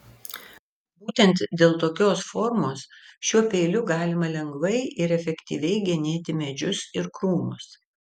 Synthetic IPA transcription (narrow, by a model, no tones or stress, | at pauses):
buːt̪ʲɛnt̪d̪ʲeːlˠt̪oːkʲoːsfɔːɾmoːsʃʲuɔpʲeːlʲʊɡɑːlʲɪmɐlʲɛŋɡʋɐɪɪɾɛfʲɛkt̪ʲḭːʋʲɛɪɡʲɛnʲeːt̪ʲɪmʲɛd͡ʒʲʊsɪɾkɾuːmʊs